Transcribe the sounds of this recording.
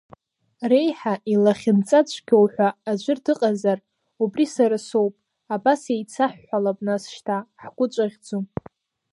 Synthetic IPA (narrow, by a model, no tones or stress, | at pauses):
re̞jħaʔilaχʲɪnt͡sʼat͡ɕʷʰʼɡʲowħʷᶣaːd͡ʒʷɪrdɨqʼazar | ubrisaɾasowpʼ | abasejt͡sʰaħːʷalapʼnasʃtʰaħɡʷʊt͡ʃʷʼaʁʲd͡zu